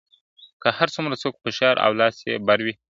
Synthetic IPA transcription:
kəhaɾt͡sumɾat͡sok̚pəʃɑɾʔa̰wlɑsjḛbaɾwi

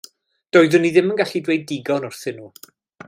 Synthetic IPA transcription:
d̥ɔːɨðʊnːiðɪmənɡaɬidwejdɪɡɔnʊrθɪnu

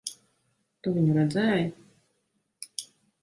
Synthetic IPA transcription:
t̪uvʲiɲʲɾad̪zæːj

